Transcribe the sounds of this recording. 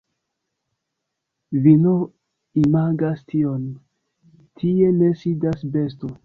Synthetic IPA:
vino | imaɡastʰio̞n | tʰie̞ne̞sidasbe̞sto̞

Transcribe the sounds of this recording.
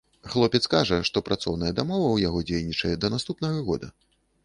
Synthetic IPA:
xlˠɔpʲɛt̪skaʐɐʂt̪ɔpɾʔat̪sɔwnɐjɛd̪amɔvɐwjaɣɔd͡zʲejnʲit͡ʂɐjɛd̪ɐnast̪upnɐɣɐɣɔ̰d̪ɐ

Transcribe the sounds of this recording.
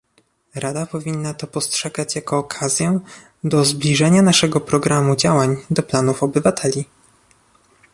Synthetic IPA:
ɾad̪apɔvʲinːat̪ɔpɔstʂɛɡat͡ɕjakɔːkʰazʲjɛ | d̪ɔzblʲiʐɛɲanaʂɛɡɔpɾɔɡɾamud͡ʑawaɲd̪ɔplanufɔbɘvat̪ʰɛlʲi

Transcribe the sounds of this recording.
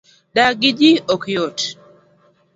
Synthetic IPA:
daɡid͡ʒiokjot

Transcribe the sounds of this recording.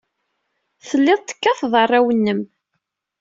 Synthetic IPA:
θəlːɪðˤt̪ːə̥kːɑθðˤərˤːawənːəm

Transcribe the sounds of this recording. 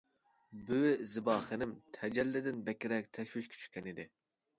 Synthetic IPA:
byzɨbɑːχɨnɪmt̪ʰɛd͡ʒɛlːɪd̪ɪnbɛkʲiɾɛk̚ʲt̪ʰɛʃwiʃkʲʰy̥t͡ʃʰy̥kʲɛnid̪ɪ

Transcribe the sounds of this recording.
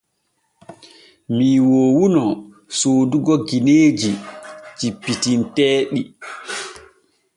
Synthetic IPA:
miːwɔwunɔ | soːduɡɔɡineːd͡ʒit͡ʃipːitintɛːɗi

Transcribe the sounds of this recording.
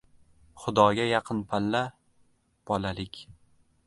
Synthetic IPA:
χʊd̪ɒɡʲajɑqʰɨnpʰalːa | b̥ɒlalɪkʲ

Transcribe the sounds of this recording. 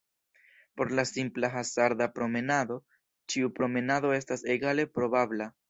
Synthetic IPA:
po̞ɾlasimplaɦasaɾd̪apɾo̞me̞nad̪o̞ | t͡ʃiupɾo̞me̞nado̞e̞stase̞ɡale̞pɾo̞babla

